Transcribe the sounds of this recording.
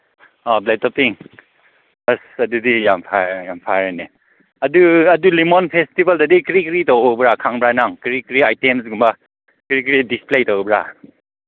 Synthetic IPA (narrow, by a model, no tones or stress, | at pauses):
ɔbletɔpiŋ | bɐsɐdudijampʰajampʰaɾane | ɐduɐdulimonpʰestibaldadikɾikɾitawbɾakʰaŋbɾanaŋkɾikɾiajtemsɡumba | kɾikɾidisplejtɔwbɾa̰